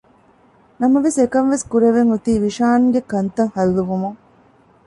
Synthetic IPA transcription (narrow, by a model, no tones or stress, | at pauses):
nɐmɐʋesekɐmʋeskuɾeʋeŋut̪iːʋiʃaːnuɡekɐnt̪ɐŋhɐlːuʋumuŋ